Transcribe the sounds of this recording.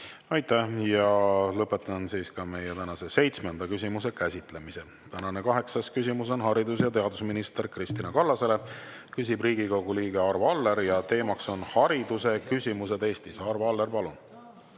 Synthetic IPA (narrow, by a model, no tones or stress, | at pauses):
ɑjt̪ˑːæhjɑlɤpːe̞t̪ːˑɑnsiːskɑme̞jet̪ænɑse̞se̞jt̪smend̪̥ɑkysʲimuse̞kæsʲit̪ˑle̞mise̞ | t̪ænɑnekɑɦe̞ksɑskys̬ʲimus̬o̞nɦɑɾid̪usjɑt̪e̞ɑd̪usminist̪e̞ɾkrist̪inɑkɑlːɑse̞le̞kys̬ʲibriːɡiko̞ɡ̥uliːɡ̥e̞ɑrvɑlːe̞ɾjɑt̪e̞ːmɑkso̞nhɑɾid̪̥use̞kysʲimuse̞d̪e̞ːst̪isɑrvɑlːeɾpɑlun